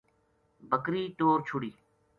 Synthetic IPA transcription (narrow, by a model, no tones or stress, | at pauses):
bəkɾiːʈoːɾt͡ʃʰʊɽiː